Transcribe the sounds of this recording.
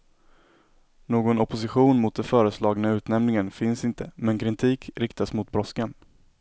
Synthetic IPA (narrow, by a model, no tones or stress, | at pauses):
noːɡɔnɔpʊsɪɧuːnmʊt̪̚d̪ɛfœːɾəslɑːɡnaʉ̟ːt̪nɛmnɪŋənfɪnsɪnt̪ʰəmɛnkʰɾɪnt̪ʰiːkɾɪkt̪asmʊt̪̚bɾɔskan